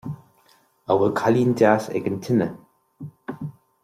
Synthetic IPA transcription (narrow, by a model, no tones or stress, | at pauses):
əwəkʰaliːndaːsɛ̰ɡəntʰɪnə